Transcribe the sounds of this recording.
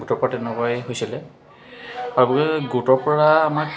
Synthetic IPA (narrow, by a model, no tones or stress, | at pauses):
ɡutɔɹpɔɹatɛnɛkɔjɦojsilɛ | aɹubɔkɛɡutɔɹpɔɹaːmaɹ